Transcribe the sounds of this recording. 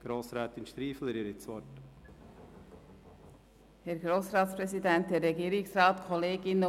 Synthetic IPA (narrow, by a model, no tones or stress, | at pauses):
ɡ̥ɾoːsɾɛːt̪ɪnʃt̪ɾiːfl̩ɪɾiɾɪt͡sʋɔt | hɛɾɡɾoːsɾɑːtspɾɛzidɛnt̚d̥ɛrɛɡiːɾɪksrɑːt̪kʰɔleːɡɪnə